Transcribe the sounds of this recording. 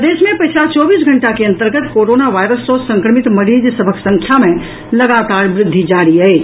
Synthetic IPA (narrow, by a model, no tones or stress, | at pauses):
d̪esmẽpət͡ʃʰlat͡ʃɔːbiːs̬ɡʱəɳʈakeə̃nt̪əɾɡət̪koɾonaʋajɾəsːosə̃ŋkɾəmit̪məɾid͡ʒsəbʱəksə̃ŋkʰjamẽ | ləɡat̪aːɾbɾɪd̪ʱːid͡ʒaɾiəj